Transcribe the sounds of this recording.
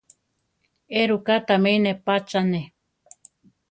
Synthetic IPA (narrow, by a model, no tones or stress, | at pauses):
eɾukat̪ameinepat͡ʃane